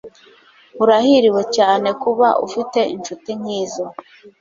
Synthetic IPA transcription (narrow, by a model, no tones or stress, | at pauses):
uɾahiɾiwe̞caːne̞kuβaʔṵfite̞inʃutiɲiːzo